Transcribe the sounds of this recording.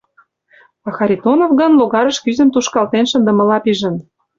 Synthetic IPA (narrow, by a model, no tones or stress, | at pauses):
ɑxɑɾʲit̪onofɣɤ̆nloɣɑɾə̆ʃkyzə̆mt̪uʃkɑlt̪enʃə̆nd̪ə̆mə̆lɑpiʒə̆n